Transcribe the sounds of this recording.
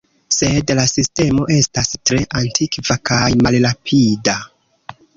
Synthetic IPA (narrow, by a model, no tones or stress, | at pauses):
se̞dlasiste̞mo̞ʔe̞stastɾe̞ʔantʰikvakajmalɾapʰida